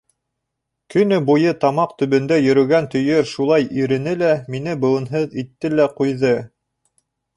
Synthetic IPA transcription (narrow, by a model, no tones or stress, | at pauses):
kɵ̆nɵbujɤt̪ɑmɑqt̪ɵ̆βɵ̆nd̪æjɵ̆ɾɵ̆ɡænt̪ɵ̆jɘɾʃulˠɑjiɾɘ̆nɘlæminɘbɤ̆wˠɤ̆nɦɤðit̪ːɘlæqujðɤ